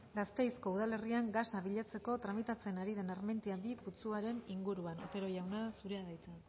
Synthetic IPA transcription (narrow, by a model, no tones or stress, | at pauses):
ɡast̪e̞jsko̞uð̞ale̞riaŋɡasaβiʎat͡se̞ko̞t̪ɾamit̪at͡se̞naɾið̞e̞narme̞nt̪iabiput͡suaɾe̞niŋɡuɾuano̞̰t̪e̞ɾo̞ʝawnaðsuɾeaðajt͡sa